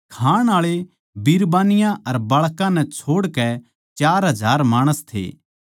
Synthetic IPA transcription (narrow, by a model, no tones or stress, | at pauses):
kʰaːɽ̃aːɭe | biɾbaːnɪjãʔɐɾbɐɭkãnɛ̃t͡ʃʰoːɽkɛ | t͡ʃaːɾɦɐd͡ʒʱaːɾmaːɽ̃əst̪ʰḛː